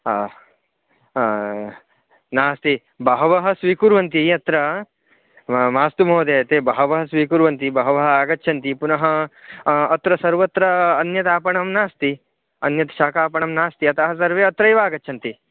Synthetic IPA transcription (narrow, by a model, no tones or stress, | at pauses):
naːst̪i | bɐɦɐʋɐɦɐ̆sʋiːkuɾʋɐnt̪̬iɐt̪ɾɐ | maːst̪umoːd̪eːt̪eːbɐɦɐʋɐɦɐsʋiːkuːɾʋɐnt̪ibɐɦɐʋɐɦɐaːɡɐtːʃʰɐnt̪ipunɐɦɐː | t̪ɾɐsɐɾʋɐt̪ɾɐːnjɐt̪aːpɐɳɐmnaːst̪i | ɐnjɐt̪ɐʃaːkaːpɐɳɐmnaːst̪iɐt̪ɐɦɐsɐɾʋeːɐt̪ɾɐjʋaːɡɐtːʃʰɐnt̪i